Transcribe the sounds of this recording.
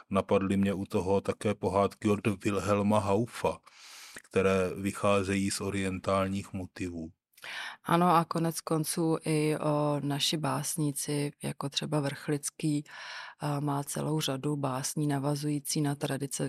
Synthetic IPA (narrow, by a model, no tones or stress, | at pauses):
napadlɪmɲɛʔut̪oɦo̞t̪akɛːpo̞ɦaːt̪kɪodvɪlɦɛlmaɦawfakt̪ɛɾɛːvɪxaːzɛjiːsʔoɾɪɛnt̪aːlɲiːxmot̪ɪvuː | ʔano̞ako̞nɛt͡sko̞nt͡suːʔɪʔonaʃɪbaːsɲit͡sɪja̰kot̪r̥ɛbavr̩xlɪt͡skiː | maːt͡sɛ̰lo̞wr̝adubaːsɲiːnavazujiːt͡siːnat̪ɾadɪt͡sɛ